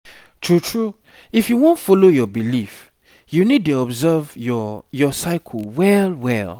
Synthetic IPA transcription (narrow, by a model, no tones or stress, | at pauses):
tʰɹutʰɹu | ifjuwõntfɔlojɔbilif | junid̚tuɔbzɛvjɔsaɪkʰɔlwɛlwɛl